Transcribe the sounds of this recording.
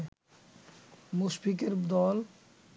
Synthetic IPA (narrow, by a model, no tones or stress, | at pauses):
muʃpik̬eɾd̪ɔl